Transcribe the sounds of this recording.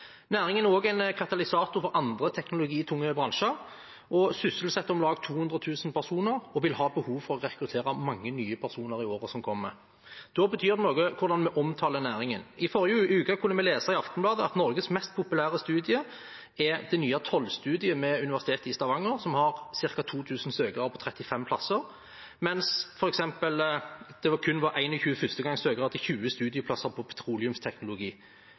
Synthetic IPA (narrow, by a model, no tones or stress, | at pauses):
næːɾɪŋənæɾoːɡæɪnkʰɑt̪ɑlɪsɑːt̪ʊɾfɔɾɑnd̪ʁət̪ʰɛknʊlʊɡiːt̪ʰʊŋːəbʁɑnʃəɾ | ʔɔsʏsəlsɛt̪ːɔmlɑːɡt̪ʰuːhʉnd̪ʁət̪ʰʉːsənpʰæʁsuːnəɾɔʋɪlhɑːbəhuːʋfɔʁɔʁɛkɾʉt̪ʰeːɾɑmɑŋːənyːəpʰæʁsuːnəɾɪoːɾəsɔmkʰɔmːə̰ | d̪̥obət̪ʰyːɾd̪ɛnoːɡəkʰʊɾd̪ɑnmɛʔɔmt̪ʰɑːlənæːɾɪŋənɪfɔʁɪəʉːkɑkʰʊnːəmɛleːsəʁɪɑft̪əm̩blɑːd̪əɑt̪nɔʁɡəsmɛst̪̚pʰʊpʉlæːʁəst̪ʉːd̪ɪə | ɛd̪ɛnyːɑt̪ʰɔlːst̪ʉːd̪ɪəmɛʉnɪʋæʁsɪt̪ʰeːt̪ɪst̪ɑʋɑŋːəʁsɔmhɑʁsɪʁkɑt̪ʰuːt̪ʰʉːsn̩søːɡɑpʰɔt̪ʰɾɛt̪ːɪfɛmpʰlɑsːəɾ | mɛnsfɔɾɛksɛmpəld̪̥ɛʋɑkʰʉnːʋɑɾæɪnɔlçʉːəfʏst̪əɡɑŋsøːɡʁɑt̪ʰɪçʉːəst̪ʉːd̪ɪəpʰlɑsəʁpʰɔpʰɛ̥t̪ʰʁuːlɪʉmst̪ʰɛknʊlʊɡiː